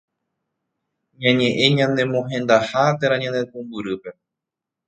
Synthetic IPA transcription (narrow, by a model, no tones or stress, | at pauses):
ɲãɲẽ̞ʔẽ̞ɲãnd̪ẽ̞mõɦẽ̞nd̪ahat̪eɾãɲãnd̪ek̪ũmbɨɾɨpe̞